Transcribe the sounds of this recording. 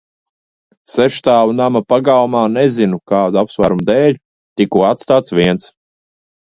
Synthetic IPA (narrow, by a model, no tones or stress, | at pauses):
sɛʃt̪aːunamapaɡawumaːnɛzinukaːd̪uapsvaɾumd̪ɛːʎʲ | t̪ikuɔat̪st̪aːt̪sviɛns